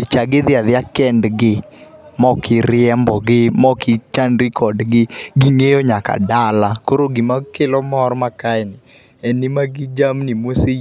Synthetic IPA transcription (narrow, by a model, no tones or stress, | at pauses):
it͡ʃaɡɪðɪaðɪakɛndɡɪ | mɔkʰɪɾɪɛmbɔɡɪmɔkɪt͡ʃanɾɪkʰɔdɡɪɡɪŋejoɲaka̰dalakoɾoɡɪmakelɔmɔɾmakaɛnɪ | ɛnɪmaɡɪd͡ʒamnɪmwose